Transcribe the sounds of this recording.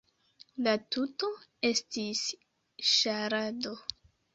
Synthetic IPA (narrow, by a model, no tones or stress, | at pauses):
latuto̞e̞stis | ʃaɾado